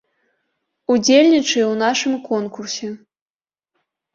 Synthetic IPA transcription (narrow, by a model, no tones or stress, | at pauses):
ud͡zʲelʲnʲit͡ʂɨjwnaʂɨmkɔnkursʲɛ